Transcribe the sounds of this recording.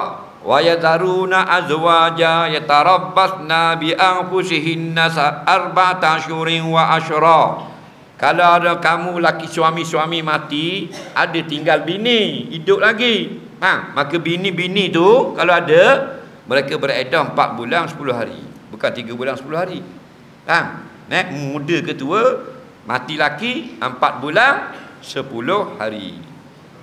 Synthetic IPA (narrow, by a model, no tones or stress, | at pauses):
wʔajazaɾunaʔazwad͡ʒajat̪aɾabasnabiʔaŋpusiɦinːasaarbat̪aʃuɾinwaʔaʃɾɔ | kalaakamũlakisuamĩswamimat̪iʔadət̪iŋɡalbiniidʊʔ̚laɡi | maŋmakəbinibinit̪ukaloadə | məɾekəbəɾedɔhəmpa̰t̪̚bulaŋsə̥pulʊɦaɾḭbukant̪iɡəbulansə̥pulʊɦaɾi | ʔaŋ | nɛʔmudəkət̪uə | ma̰t̪ilakiəmpat̪̚bulaŋsəpulʊhhaɾḭ